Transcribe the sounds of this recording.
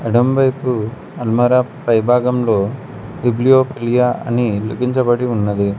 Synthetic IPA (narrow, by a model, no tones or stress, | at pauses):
ɐɽɐmbɐjpu | ɐlmɐɾapɐjbʱaːɡɐmlo̞ː | ɖiblijoːpilijaɐ̰niluɡiɲt͡ʃɐbɐɽiunːɐd̪i